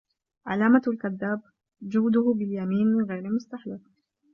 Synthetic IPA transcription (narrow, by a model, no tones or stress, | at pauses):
ʕa̰laːmalkad̪ːaːb̚ | d͡ʒʊhd̪ʊhʊbɪljamiːnɣeːɾmʊst̪aħlɪf